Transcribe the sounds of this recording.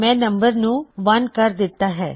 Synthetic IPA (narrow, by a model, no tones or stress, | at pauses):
mɛ̃ːnɐ̃mbəɾnũʋɐnkɐɾd̪ɪt̪ːaɦɛ̰ː